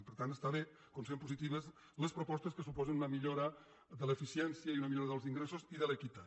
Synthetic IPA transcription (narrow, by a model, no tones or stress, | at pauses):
pəɾt̪ant̪əst̪aβe | komsempuzit̪iβəz | ləspɾupɔst̪əskəsupɔzənunəmiʎoɾə | ðələfisiɛnsiəiunəmiʎoɾəðəlˠziŋɡɾesoziðələkit̪a